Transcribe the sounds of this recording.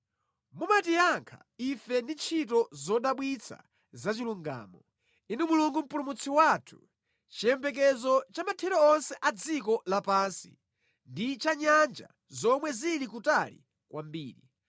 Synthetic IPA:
mumatijaŋkʰa̰ifɛndit͡ʃʰit̬ɔzɔɗaɓwit͡sʰa̰ | zat͡ʃiluŋɡa̰ːmɔ | inumuluŋɡum̩pulumut͡sʰiwaːtʰu̥ | t͡ʃijɛmbɛk̬ɛzɔt͡ʃamatʰɛɾɔːnsɛʔad͡zikɔlapaːnsḭ | ndit͡ʃaɲand͡ʒa̰ | zɔmwɛziɾikutalḭ | kwʔambiːɾi

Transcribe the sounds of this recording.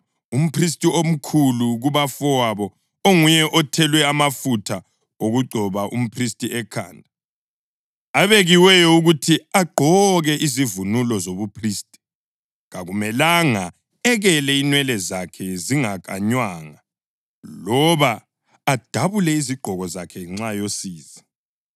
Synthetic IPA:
um̩pʰris̬tʼiom̩kʰuluɣuβafɔwaβɔ | oŋujɛʔɔtʰɛlwɛamafutʰa | oɣuɡ͡ǀʱɔβaʔṵm̩pʰristʼiʔɛkʰa̰ːndʱa | aβeɣiwɛjɔuɣutʰiaɡ͡ǃʱɔɣɛʔizivunulɔzoβupʰriːstʼi̥ | ɣaɣumɛlaŋa | ɛɣɛlɛinwɛlɛzakʰɛziŋaɣʼa̰ɲwaːŋa | lɔβaː | d̥ʱaβulɛiziɡ͡ǃʱɔɣɔzakʰɛŋ͡ǀajosiːzi

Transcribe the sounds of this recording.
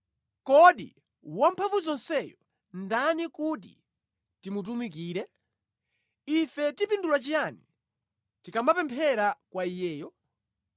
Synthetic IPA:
kɔɗḭ | wam̩pʰavuzɔnsɛjɔ | ndanikut̬ḭ | timut̬umik̬iːɾɛ | ifɛtipindulwat͡ʃijani | tikambapɛmpʰɛɾakwaijɛːjɔ

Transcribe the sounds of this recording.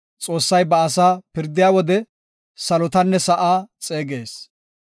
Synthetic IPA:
t͡sʼo̞ːsːɐjbɐːsaːpɪɾd̪ɪjaːwɔd̪ɛ | sɐlɔt̪ɐnːɛsɐʔaːt͡sʼe̞ːɡeːs

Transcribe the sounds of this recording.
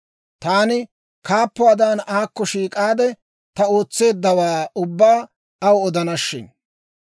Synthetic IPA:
t̪aːnɪ | kaːpːʊad̪aːnaːkːɔʃiːkʼaːd̪ɛ | t̪ɐo̞ːt͡sːe̞ːd̪ːɐwaːʊbːaː | ɐwɔd̪ɐnɐʃːɪn

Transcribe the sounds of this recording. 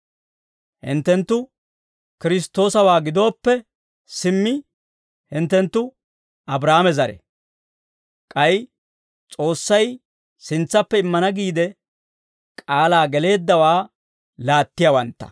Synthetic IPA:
hɪ̰nt̪ːɛnt̪ːʊ | kɪɾɪst̪ːo̞ːsɐwaːɡɪd̪o̞ːpːɛ | sɪmːɪ | hɪnt̪ːɛnt̪ːʊ | ɐbɾaːmɛzɐɾɛ̰ | kʼɐj | t͡sʼo̞ːsːɐj | sɪnt͡sːɐpːɛɪmːɐnɐɡiːd̪ɛ | kʼaːlaːɡɛle̞ːd̪ːɐwaː | laːt̪ːɪjawɐnt̪ːɐ̥̰

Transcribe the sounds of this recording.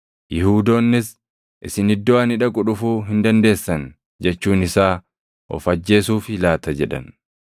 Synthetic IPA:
jɪhuːd̪o̞ːnːɪs | ʔɪsɪnɪd̪ːɔwanɪᶑɐkʼʊᶑʊfuːɦɪnd̪ɐnd̪e̞ːsːɐn | d͡ʒɛt͡ʃːuːnɪsaː | ʔɔ̰fɐd͡ʒːe̞ːsuːfɪlaːt̪ɐd͡ʒɛᶑɐ̰n

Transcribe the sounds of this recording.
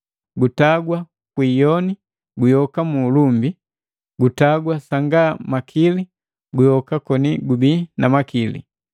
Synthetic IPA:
ɡutaɡwa | kwiːjɔni | ɡujɔkamuːlumbi | ɡutaɡwasaŋɡamakʰili | ɡujɔkakɔniɡubinamakilḭ

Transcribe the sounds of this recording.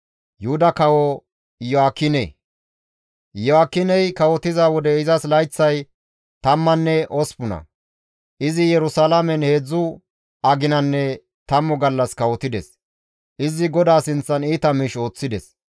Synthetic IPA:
jʊhʊd̪ɐkɐwɔ | jɔaːkːɪnḛ | jɔaːkːɪnɛjkɐwɔt̪ɪzaːwɔd̪ɛɪzɐslɐjt͡sːɐj | t̪ɐmːɐnːɛʔɔspʊnɐ̰ | ʔɪzɪjɛɾʊsalamɛnhe̞ːd͡zːʊ | ɐɡɪnɐnːɛ | t̪ɐmːɔɡɐlːɐskɐwɔt̪ɪd̪ɛs | ʔɪzɪɡɔd̪aːsɪnt͡sːɐniːt̪ɐmiʃo̞ːt͡sːɪd̪ɛs

